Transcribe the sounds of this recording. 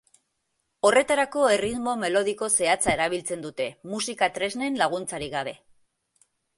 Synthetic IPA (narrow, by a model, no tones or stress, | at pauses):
o̞re̞t̪aɾako̞e̞rit̪mo̞me̞lo̞ð̞iko̞se̞at͡sae̞ɾaβ̞ilt͡se̞nd̪ut̪e̞musikat̪ɾe̞zne̞nlaɣ̞unt͡saɾiɣaβ̞e̞